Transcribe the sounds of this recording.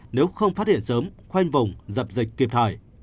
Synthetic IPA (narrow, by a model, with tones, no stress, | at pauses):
ne˨˦wxə˧wŋ͡mfaː˦˥t̚hḭ˧˨ənsəː˨˦mxwa˧jŋ̟və˨˩wŋ͡mzə˨˩p̚zï˨˩jk̟̚kːi˨˩əp̚t̪ʰaː˧˩˨j